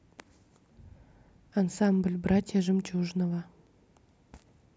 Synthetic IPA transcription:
ansamblʲbrat̪ʲjaʒɨmt͡ʃuʒnova

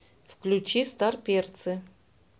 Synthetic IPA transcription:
fklʲʊt͡ɕist̪arpʲert̪sɨ

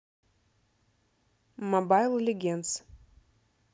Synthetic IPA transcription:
mɐbajlˠlʲɪɡʲent̪s

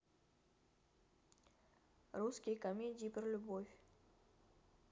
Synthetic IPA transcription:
ɾuskʲɪjkɐmʲedʲɪiprlʲʊbofʲ

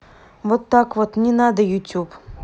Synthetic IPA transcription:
ʋɔt̪ːɑkʋɔt̪nʲinɑd̪ɐjʊtʲub

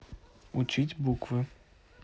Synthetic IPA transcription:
ut͡ʃitʲbukvɨ

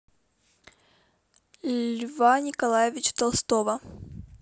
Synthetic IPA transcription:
lʲvanʲɪkɐlˠajɪvʲɪt͡ɕt̪ɐlˠst̪ovɐ

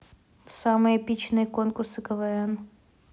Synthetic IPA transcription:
samɨjəpʲit͡ɕnɨjəkonkʊrsɨkɐvɐɾan

